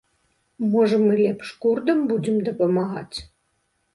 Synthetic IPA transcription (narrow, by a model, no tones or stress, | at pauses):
mɔʐɐmɨlʲɛpʂkurd̪ɐmbud͡zʲɛmd̪ɐpɐmaɣa̰t͡sʲ